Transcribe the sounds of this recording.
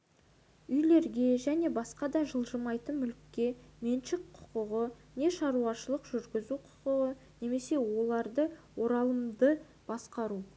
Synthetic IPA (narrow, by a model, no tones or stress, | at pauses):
ʏjle̞ɾɡʲe̞ʒæne̞bɑsqɑd̪ɑʒəlˠʒəmɑjt̪əmʏlkʲːe̞me̞nʃɪkqʰʊ̥qʊʁəne̞ʃɑɾuɑʃəlˠəqʒ̥ʏɾɡʲɪzuqʰʊ̥qʊʁə | ne̞me̞se̞wo̞lˠɑɾd̪əwo̞ɾɑlˠəmd̪ə | b̥ɑsqɑɾu